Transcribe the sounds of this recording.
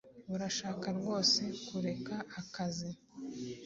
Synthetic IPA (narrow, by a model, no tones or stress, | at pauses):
βuɾaʃaːkaɾɡo̞ːse̞kuɾe̞kaːkazi